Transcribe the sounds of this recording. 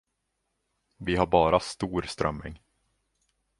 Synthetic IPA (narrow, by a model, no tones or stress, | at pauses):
vɪɦaɾbɑːɾast̪uːɾst̪ɾœ̰mːɪ̰ŋ